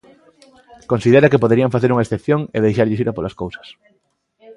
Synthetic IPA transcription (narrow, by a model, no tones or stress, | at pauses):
konsiðeɾakepoðeɾiaɱfaθeɾuŋaesθepθjõŋḛðejʃaɾʎɪsiɾapolaskowsɐ̥s